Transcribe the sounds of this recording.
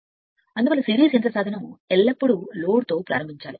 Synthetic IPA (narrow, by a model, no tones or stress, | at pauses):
ɐnd̪ɐpaːlɐsɪɾɪjɐsɛndrɐsaːd̪ʱɐnɐ̃ɛlːɐpːɐɽɯloːɽt̪oːpːɾaːɾɐmbɪt͡ʃːaːl